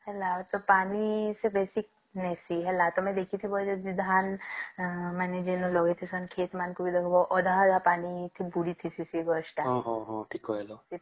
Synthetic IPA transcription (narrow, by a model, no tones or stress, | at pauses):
hɛlːat̪opaːnisebeːsik̚ | nɛsiɦɛlːat̪omɛ̃d̪eːkʰit̪ʰibɔd͡ʒod͡ʒid̪ʱaːn | mɛned͡ʒenolɔɡet̪ʰisɐnkʰeːt̪maːnkobid̪ekʰobɔʔɔd̪aɦaɡapaːnit̪ʰibuɽit̪ʰisisiɡɔʃʈaɦɦɔɦɔ̃ʈʰiːkoɦɛlosi